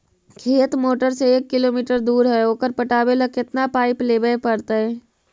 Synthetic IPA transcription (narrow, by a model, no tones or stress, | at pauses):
kʰeːt̪moːʈəɾseeːkːɪloːmiːʈəɾd̪uːɾɦɛoːkəɾpəʈaːbeləkːɪt̪napaːɪpleːbəpəɾt̪aɦɛː